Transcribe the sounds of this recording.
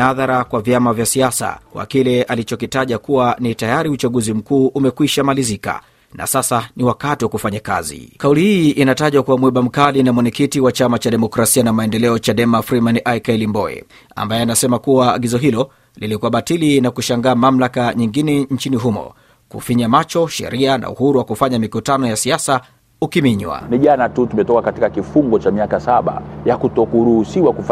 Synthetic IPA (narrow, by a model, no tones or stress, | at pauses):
aðaɾakwavjamavjasiasa̰kwa̰kilɛalit͡ʃɔkitaʄakuwanitajaɾiut͡ʃaɠuzim̩kuːʔumɛkwiʃamalizika̰ | na̰sasaniwakatiwakufaɲaka̰zḭkaulihiʔinataʄakuwamwɛɓam̩kalinamwɔɲɛkitiwat͡ʃamat͡ʃaɗɛmɔkɾasianamaɛndɛlɛɔt͡ʃaɗɛmafɾimanʔajkɛlimbɔɛ̰ | a̰mbajɛanasɛmakuwa̰ːɠizɔɦilɔ | lilikuaɓatilinakuʃaŋɡaːmamlakaɲiŋɡinɛn̩t͡ʃiniɦumɔ̰ | kṵfiɲamat͡ʃɔʃɛ̰ɾiana̰ṵhuɾuwakufaɲamikutanɔjasiasa | ukimiɲwa̰niʄanatutumɛtɔkakatikakifuŋɡɔt͡ʃamiakasaɓa̰jakutɔkuɾuhusiwakuf